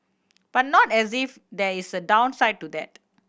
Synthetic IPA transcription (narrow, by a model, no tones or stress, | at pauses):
b̥at̚nɔtɛsif | d̪ɛisədãw̃nsaɪd̚tud̪ɛt̚